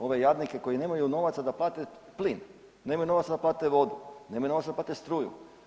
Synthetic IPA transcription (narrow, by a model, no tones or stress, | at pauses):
o̞ʋe̞jad̪nike̞ko̞jine̞ːmajuno̞ʋat̪sad̪aplˠaːt̪e | plin | neːmajuno̞ʋat̪sad̪aplˠaːt̪eʋo̞d̪unemajuno̞ʋasaplaːt̪est̪ɾuːjṵ